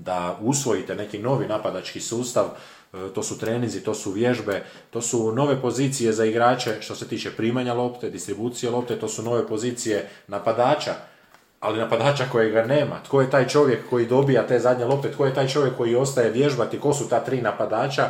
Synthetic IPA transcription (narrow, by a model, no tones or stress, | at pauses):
d̪ausʋo̞jit̪ene̞kino̞ʋinapad̪at͡ʃkisuːst̪aʋ | t̪o̞ːsut̪ɾe̞ːnizit̪o̞ːsuʋje̞ʒbe̞ | t̪o̞ːsuno̞ʋe̞po̞ziːt̪sije̞zaiɡɾaːt͡ʃe̞ʃt̪o̞se̞t̪iːt͡ʃepɾiːmaɲalˠo̞pt̪ed̪ist̪ɾibuːt̪sijelo̞p̚t̪e̞t̪o̞ːsuno̞ʋe̞po̞ziːt̪sije̞napad̪aːt͡ʃa | alinapad̪aːt͡ʃako̞jeɡane̞ːma̰t̪ko̞je̞t̪aːjt͡ʃo̞ʋjekːo̞jid̪o̞bijat̪e̞ːzad̪ɲe̞lo̞p̚t̪e̞t̪ko̞je̞t̪aːjt͡ʃo̞ʋjekːo̞jio̞st̪aje̞ʋje̞ʒbat̪iko̞sut̪aːt̪ɾiːnapad̪aːt͡ʃa